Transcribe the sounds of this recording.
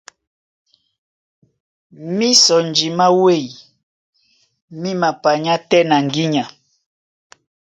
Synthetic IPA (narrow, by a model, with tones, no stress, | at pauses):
mi˦sɔ˨nd͡ʒi˨ma˦we˦˨i˨ | mi˦ma˨pa˨ɲa˦tɛ˦na˨ŋɡi˦ɲa˨